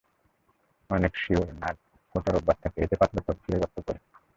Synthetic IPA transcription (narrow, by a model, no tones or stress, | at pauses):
ɔnekʃioɾnaɾ | foʈaɾobːat̪̚t̪ʰakeḛt̪epat̪ːat̪oɾk̪ʰiɾed͡ʑɔt̪̚ːokoɾe